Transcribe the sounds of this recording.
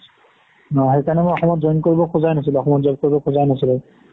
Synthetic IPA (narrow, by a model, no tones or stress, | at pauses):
ɦejkanɛmʊɔxɔmɔtzɔjnkoɹibɔkʰʊzajnas̬ilɛɔxɔmɔt̚zab̚koɹibɔkʰʊzajnasilɛ